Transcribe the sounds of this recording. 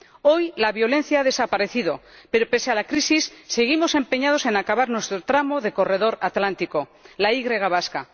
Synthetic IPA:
ojlaβjo̞lẽ̞n̟θjaað̞esapaɾeθiðo̞pe̞ɾope̞sealakɾisisːeɣimo̞sẽ̞mpe̞ɲað̞o̞se̞nakaβaɾnwe̞st̪ɾot̪ɾamoðe̞ko̞re̞ð̞o̞ɾat̪lant̪ikolaiɣɾeɣ̞aβ̞aska̰

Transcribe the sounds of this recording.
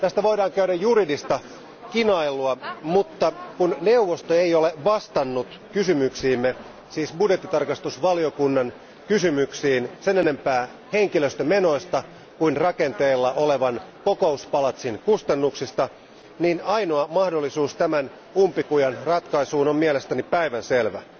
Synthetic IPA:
t̪æst̪æʋo̞idɑːŋkæyɾæjjuridist̪ɑ | kinɑiluɑmut̪ːɑkunneuʋːost̪oeijoleʋɑst̪ɑnːut̪ | kysymyksiːmːe | siːsbudjet̪ːit̪ɑrkɑst̪usʋɑliokunːɑn | kysymyksiːnsenene̞mpæː | heŋkiløst̪æme̞no̞ist̪ɑ | kuinrɑkent̪eːlːɑʔoleʋɑnkokouspɑlɑt̪sinkust̪ɑnːuksist̪ɑ | niːnɑinoɑmɑhdolːisuːst̪æmæn | umpikujɑnrɑt̪kɑisuːnommielest̪ænipæiʋænselʋæ̰

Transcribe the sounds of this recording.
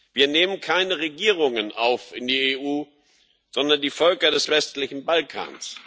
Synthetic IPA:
v̥iːɐneːmənkʰaɪnəʁeɡiːʁʊŋənʔaʊfʔɪndiːeːʔuː | z̥ɔndɐndiːfœlkɐdɛsv̥ɛstlɪçn̩balkʰa̰ːns

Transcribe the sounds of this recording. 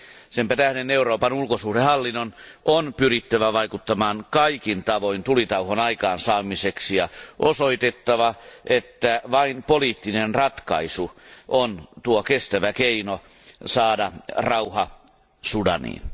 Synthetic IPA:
sempæt̪æhdeneuroːpɑnulkosuhdehɑlːinːonʔonpyrit̪ːæʋæʋɑikut̪ːɑmɑːŋkɑikint̪ɑʋoint̪ulit̪ɑuhonɑikɑːnsɑːmiseksijɑʔosoit̪et̪ːɑʋɑʔet̪ːæʋɑinpoliːt̪ːinenrɑt̪kɑ̰isuʔont̪uokest̪æʋækeino | sɑːdɑrɑuhɑ | sudɑ̰nḭːn

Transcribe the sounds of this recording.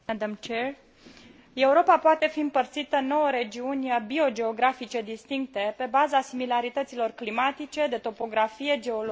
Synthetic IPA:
ad̪amt͡ʃer | e̞uɾo̞papoat̪e̞fiɨmpərt̪sit̪əno̞wəɾe̞d͡ʒiunʲbio̞d͡ʒe̞o̞ɡɾafit͡ʃe̞d̪ist̪iŋk̚t̪e̞pe̞bazasimilaɾit̪ət̪silo̞rklimat̪it͡ʃe̞d̪e̞t̪o̞po̞ɡɾafije̞d͡ʒe̞ol

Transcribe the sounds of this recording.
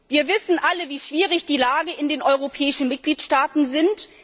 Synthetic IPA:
viːɐvɪsn̩ʔaləviːʃv̥iːʁɪçd̥iːlaːɡəɪndeːnʔɔʏʁ̞opʰɛːɪʃn̩mɪt̚ɡ̥liːtʃtaːtn̩zɪnt

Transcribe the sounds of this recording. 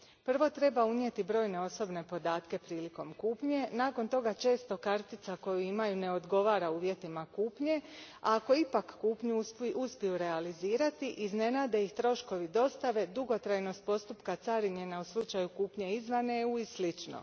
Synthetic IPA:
pr̩ʋo̞t̪ɾe̞baunje̞t̪ibɾo̞ːjne̞o̞so̞bne̞po̞d̪aːt̪ke̞pɾiːliko̞mkuːpɲe̞naːko̞nt̪o̞ɡat͡ʃe̞ːst̪o̞kaɾt̪it̪sako̞juimajune̞o̞d̪ɡo̞ʋaːɾauːʋje̞t̪imakuːpɲe̞ | ako̞ipakːuːpɲuspuspijuɾe̞aliziːɾat̪iʔizne̞naːd̪e̞ixt̪ɾo̞ʃko̞ʋid̪o̞st̪aʋe̞d̪uɡo̞t̪ɾajno̞st̪̚po̞st̪upkat̪saɾiɲe̞nauslˠut͡ʃajukuːpɲe̞izʋaneuislit͡ʃno̞̰

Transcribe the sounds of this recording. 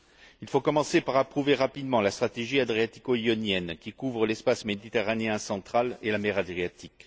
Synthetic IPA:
ilfokɔmɑ̃sepaʁapχuveʁapid̪mɑ̃last̪χat̪eʒiad̪ʁiat̪i̥koiɔnjɛnkʲikuvʁəlɛspasmed̪it̪eʁaneɛ̃sɑ̃t̪χalelamɛʁad̪ʁiat̪ik

